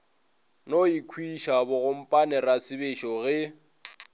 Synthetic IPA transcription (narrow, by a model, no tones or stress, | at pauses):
noikʰwiʃabʊɣʊm̩pʼanɛrasɪbɪʃɔɣɪ